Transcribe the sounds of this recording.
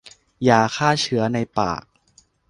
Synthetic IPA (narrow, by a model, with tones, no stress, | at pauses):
jaː˨˩kʰaː˥˩t͡ɕʰɯ˩˦ɐna˧jpa̰ː˨˩k̚